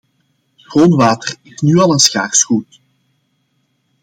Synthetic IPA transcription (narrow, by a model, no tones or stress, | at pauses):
ɣroːnʋaːtərɪsnyːɑlˠənsxaːrsxuːt